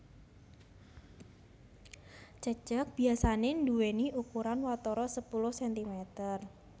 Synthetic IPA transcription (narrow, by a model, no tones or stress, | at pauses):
t͡ʃə̥d͡ʒ̥ak̚b̥iasaneɳduweniʔukuɾanwat̪ɔɾɔsəpulʊhsɛnt̪imet̪ər